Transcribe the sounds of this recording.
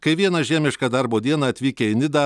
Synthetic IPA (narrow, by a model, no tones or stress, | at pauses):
kɐɪʋʲiɛnɐʒʲæːmʲɪʃkɐːd̪ɐɾboːd̪ʲiɛnɐɐt̪ʲʋʲiːkʲɛɪnʲɪd̪ɐ